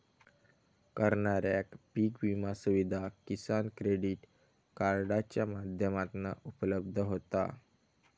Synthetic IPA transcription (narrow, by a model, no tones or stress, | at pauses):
kəɾɳaɾjakpiːkʋimasuʋid̪ʱakisankɾeɽiʈ | kaɾɖat͡ɕjamad̪ʱjəmat̪naupələb̚d̪ʱəɦot̪a̰